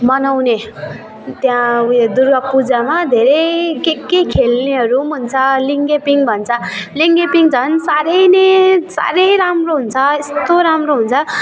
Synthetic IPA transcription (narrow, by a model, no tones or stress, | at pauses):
mʌnawne | t̪jãd̪urɡʌpud͡zamad̪ʱeɾʌjkekekʰelneɦʌɾumunt͡sʰʌliŋɡepiŋbʱʌnt͡sʰʌliŋɡepiŋd͡zʰʱʌnsaɾʌjnesa̰ɾʌjɾamroɦunt͡sʰʌest̪oɾamroɦunt͡sʰʌ